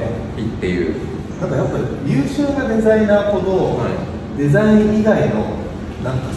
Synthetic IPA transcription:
it̪ːejɯ̟̰ː | t̪akajapːaɾʲiɾʲɯːɕoːɡad̪e̞zaĩnaːko̞d̪oa | d̪e̞zaĩɰ̃iɡaino̞̰ | nãŋka

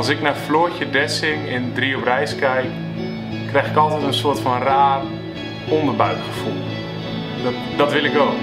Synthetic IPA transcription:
ɑlˠsɪknafloəcədɛsɪŋɪndriɔprɛjskɛjk | krɛjxɪkɔlˠtɛtənsoətfɔnraːr | ɔndərbaɥtχə̥fulˠ | d | dɔtʋɪlˠɪko

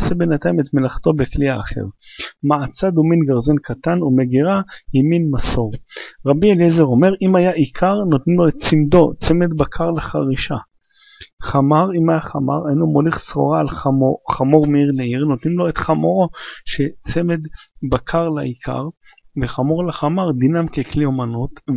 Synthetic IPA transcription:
sebe̞nat̪ajime̞t̪melaχto̞bekliaːχe̞̰ʁmaat͡sad̪uminɡaʁzenkʰat̪anume̞ɡiʁahiminmaso̞ʁʁabielezeʁo̞me̞ʁʔimajaʔikʰaʁnot̪nimlo̞et̪̚t͡simd̪o̞t͡se̞me̞d̪bakʰaʁlaχaʁiʃa | χamaʁimajaχama̰ʁejnomoliχsχo̞̰ʁaːloχamo̞ʁmeiʁneiʁnot̪nimlo̞et̪χamoʁoʃet͡seme̞d̪bakʰaʁlaikʰa̰ʁ | veχamo̞ʁlaχamaʁd̪inamkekliomanut̪

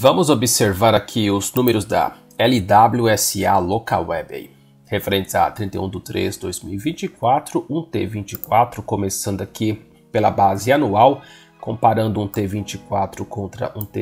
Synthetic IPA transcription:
vɐ̃mʊzobiseɾvaɾakʰiʊznũmeɾʊzd̪ɐ̰ | ɛlid̪abluɛsialoka̰wɛbḛj | hefeɾẽnt̪ɪza̰t̪ɾĩnt̪ḛjũd̪ʊt̪ɾḛzd̪ojzmḭwivĩnt͡ʃikwat̪ɾʊʔũt̪ḛvĩt͡ʃikwat̪ɾʊkomesɐ̃nd̪ʊaki | pelɐ̰bazɪanuaw | kõpaɾɐ̃nd̪ʊũt̪evĩt͡ʃikwat̪ɾʊkõnt̪ɾɐ̰ʔũt̪e

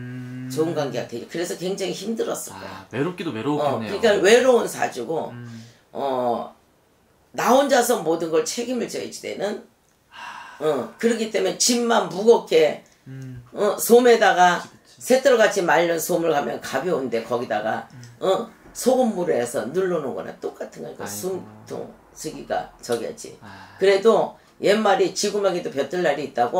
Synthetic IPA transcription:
t͡ɕouŋɡaŋɡea̰tʰed͡ʑokɯɾe̞sʰʌkwe̞ŋd͡ʑaŋiçimdɯɾʌs͈ɯɭk͈a̰jo̰ɾokʌkɯɲik͈awe̞ɾounsʰa̰d͡ʑuɡo | ʌ | naond͡ʑasʰʌŋmodɯnɡʌɭt͡ɕʰeɡimɯɭt͡ɕʌḭd͡ʑide̞̰nɯn | ʌkɯɾʌkit͈e̞met͡ɕimːanbuɡʌkʰe̞ | ʌsʰome̞daɡa | sʰe̞t͈ʰɯɭɡat͡ɕʰimaʎːʌnsʰomɯɭkamjʌ̰nkabjʌunde̞kʌɡidaɡa̰ʌsʰoɡɯmːuɾɯesʰʌ̰nuɭːonɯnɡʌ̰na̰t͈ok͈atʰɯnŋɡʌk͈a̰sʰumtʰo̰ŋ | sʰɯɡiɡa̰t͡ɕʌɡiʌ̰d͡ʑḭkɯɾe̞do | jemːaɾit͡ɕiɡumaɡedopjʌt͈ɯɭːaɾiːt̚t͈aɡo

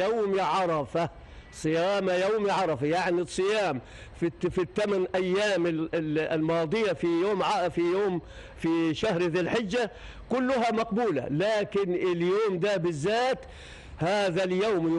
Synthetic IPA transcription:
awmiʕɑɾˤɑfa | sˤɨjaːmajawmiʕɑɾˤɑfajaʕnisˤːɨjaːm | fifit̪ːamanʔajːaːmɪlmɑːd̪ˤɨjafijoːmʕfijoːm | fiʃahɾðilħɪd͡ʒːa | kʊlːʊɦamaqbuːla̰laːkɪnɪljoːmd̪abɪzːaːt̪ | haːðaljawm

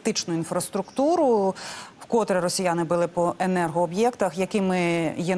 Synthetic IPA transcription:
t̪ɪt͡ʃnʊinfɾɐst̪ɾʊkt̪uɾʊ | wkɔt̪ɾɛɾɔsʲijanɪbʊlˠɪpɔʔenɛrɦɔːbjɛkt̪ɐxjɐkɪmɪjɛ

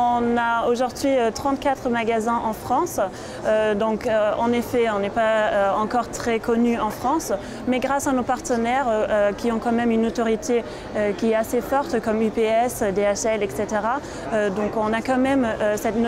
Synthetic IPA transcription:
ɔ̃naoʒuʁd̪ɥiøt̪χɑ̃t̪̚kat̪χəmaɡazɛ̃ʔɑ̃fχɑ̃s | ød̪ɔ̃køɑ̃nefɛɔ̃nɛpaøɑ̃kɔʁt̪χɛkɔnyɑ̃fχɑ̃s | mɛɡʁasanopaʁt̪ənɛʁøøkʲiɔ̃kɑ̃mɛmynot̪ɔʁit̪e | økʲiɛt̪asefɔʁt̪kɔmypeɛsød̪eɛʃɛlɛkset̪eʁa | ød̪ɔ̃kɔ̃nakɑ̃mɛmøsɛt̪

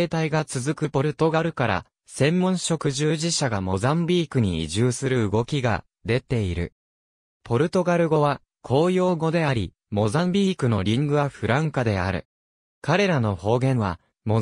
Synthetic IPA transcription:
eːt̪aiɡat͡sɨzɨkɯ̟po̞ɾɯ̟t̪o̞ɡaɾɯ̟kaɾa̰ | sẽ̞mːõ̞ɰ̃ɕo̞kɯ̟ʑɨːʑiɕaɡamo̞zãmbʲiːkɯ̟ɲ̟iḭʑɨːsɨɾɯ̟ɯɡo̞kʲiɡa̰ | d̪e̞t̪e̞iɾɯ̟̰ | po̞ɾɯ̟t̪o̞ɡaɾɯ̟ɡo̞βa | kʰo̞ːjo̞ːɡo̞d̪e̞aɾʲḭ | mo̞zãmbʲiːkɯ̟no̞ɾʲĩŋɡɯ̟βaɸɯ̟ɾãŋkad̪e̞a̰ɾɯ̟̰ | kaɾe̞ɾano̞ho̞ːɡẽ̞ɰ̃βa | mo

